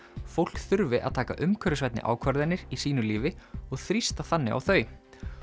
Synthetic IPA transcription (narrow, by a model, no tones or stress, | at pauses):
fowl̥kθʏɾvɪʔaðt̪ʰaːka̰ʔʏmkʰœɾʏsvɛjt̪nɪ̰ʔa̰ːwkʰvaɾðɪnːɪɾisiːnʏliːvɪɔɣθɾist̪aθanːɪ̰ʔa̰wθœːɥ